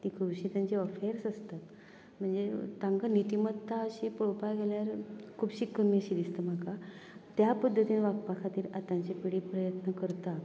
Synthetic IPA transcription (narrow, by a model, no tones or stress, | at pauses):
t̪ikʰɾuɕiːt̪jaɲt͡ɕeəfeɾsəst̪at̪ | m̤əɳd͡zet̪ãŋkanit̪imət̪ːaəɕipɭopaɡeljaɾkʰuːbɕikəmiəɕid̪ist̪əm̤aka | t̪japəd̪ʱːət̪iːnʋakpakʰat̪iːɾat̪ãɲt͡ɕepiɽipɾəjət̪nəkəɾt̪a